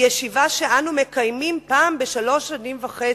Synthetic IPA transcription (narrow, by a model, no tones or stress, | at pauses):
jeʃivaʃeʔanume̞kajmimpaːmbe̞ʃalo̞ʃanimvaχe